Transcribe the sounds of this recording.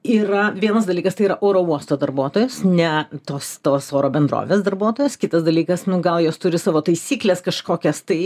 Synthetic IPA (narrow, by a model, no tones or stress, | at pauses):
iːɾɐʋʲiɛnɐsd̪ɐlʲiːkɐst̪ɐɪiːɾɐʔoːɾoːuɔst̪oːd̪ɐɾbuɔt̪oːjʊsnʲɛt̪oːst̪oːsoːɾoːbʲɛnd̪ɾo̰ːʋʲeːsd̪ɐɾbuɔt̪oːjʊskʲɪt̪ɐsd̪ɐlʲiːkɐsnʊɡɐlˠjoːst̪ʊɾʲɪsɑːʋoːt̪ɐɪsʲiːklʲeːskɐʃkoːkʲɛst̪ɐɪ